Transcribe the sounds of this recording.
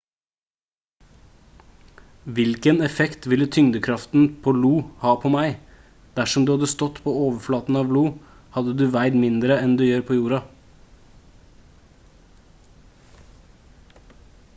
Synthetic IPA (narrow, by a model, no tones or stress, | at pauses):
ʋɪlkənɛfɛkt̪ʋɪlːət̪ʰʏŋd̪əkʰɾɑft̪n̩pʰoːluːhɑːpʰoːmæɪ | d̪̥æʂɔmd̪ʉːhɑd̪əst̪ɔt̪pʰoːoːʋəɾflɑːt̪n̩ɑːʋluː | hɑd̪əd̪ʉːʋæɪd̪mɪnd̪ɾəɛnd̪ʉːjøːɾpʰoːjuːɾɑ